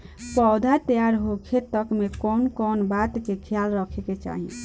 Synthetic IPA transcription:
pɔd̪ʱat̪jaɾɦokʰet̪əkmekɔnkɔnbat̪kekʰjalɾəkʰeket͡ʃa̰ɦḭ

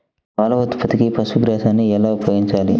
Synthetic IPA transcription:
kaːlɐʋɐt̪pɐt̪ikipɐsuɡɾaːsaːnːiɛlaːupɐjoːɡiɲt͡ʃaːlḭ

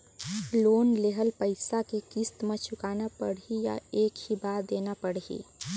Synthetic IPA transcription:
loːnleɦəlpəɪsakekist̪mẽt͡ʃʰʊkaːnapə̰ɽɦija̰eːkhibaːd̪eːnapəɽɦḭː

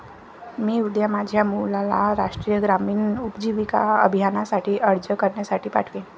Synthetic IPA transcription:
miːud̪jamad͡ʑʱjamulala̰ɾaʂʈɾijəɡɾamiːɳupd͡ʑiʋika̰ə̰bʱijanasaʈʰiːʔəɽd͡ʑəkəɾɳjasaʈʰiːpa̰ʈʰʋẽ

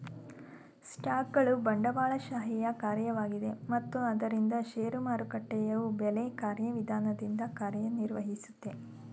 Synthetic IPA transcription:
sʈaːkɡɐɭubɐɳɖɐbaːɭɐʃaːɦijɐkaːɾjɐʋaːɡid̪e̞mɐt̪ːuɐd̪ɐɾind̪ɐʃeːɾumaːɾukɐʈːɛjɐʋubelekaːɾjɐʋid̪ʱaːnɐd̪ind̪ɐkaːɾjɐniɾʋɐɦisu̥t̪ːe̞

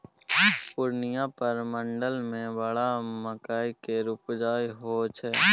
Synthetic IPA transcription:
pʊɾnɪjãpəɾmə̃ɳɖəlmẽbəɽaməkaːikeɾupd͡ʒaːjɦoːt͡ʃʰɛː

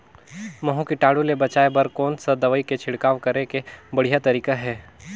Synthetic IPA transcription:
mɐɦũkiʈaːɽulebɐt͡ʃaːebɐɾkɔːnsad̪ɐʋiket͡ʃʰɪɽkaːʋkɐɾekebɐɽ̤ijat̪ɐɾiːkaɦɛː

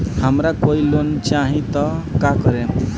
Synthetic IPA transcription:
hamɾakoilont͡ʃaɦĩt̪ɔkakəɾẽ

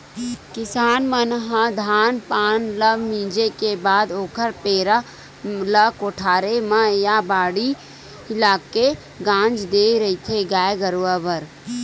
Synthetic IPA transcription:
kɪsaːnmənɦãd̪ʱaːnpaːnləmĩːd͡ʒekebaːd̪oːkʰəɾpeːɾa | ləkoːʈʰaːɾemãjabaːɽi | ɪlaːke | ɡãːd͡ʒd̪eːɾɐit̪ʰeɡaːjɡəɾuʋabəɾ

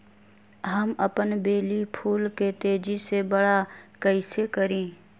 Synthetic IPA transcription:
ɦəməpənbeːlipʰuːlket̪eːd͡ʒisebəɽakəɪsekəɾẽː

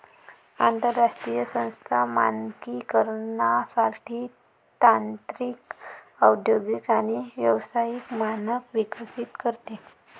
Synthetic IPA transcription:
ant̪əɾːaʂʈɾijəsə̃w̃st̪ʰamankikəɾɳasaʈʰiː | t̪ant̪ɾiːk | əwd̪joɡikaɽ̃iʋjəʋsajikmanəkʋikəsit̪kəɾt̪e

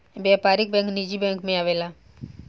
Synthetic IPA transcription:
bjaːpaːɾɪk̚bɛ̃ːŋknid͡ʒibɛ̃ːŋkmẽaːʋeːla

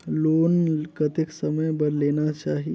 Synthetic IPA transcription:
loːnkət̪ɪksɐməjbɐɾleːnat͡ʃaːɦi

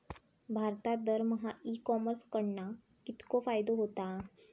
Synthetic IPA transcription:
bʱaɾt̪ad̪əɾməɦaikɔməɾskəɽna | kit̪kofajd̪oɦot̪a

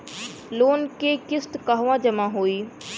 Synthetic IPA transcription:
loːnkekɪst̪kɐɦʋãːd͡ʒɐmãɦoːiː

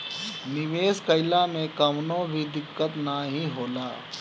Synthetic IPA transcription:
nɪʋeːskəɪlamẽkɐmnõbʱid̪ɪkːət̪naɦĩɦoːlaː

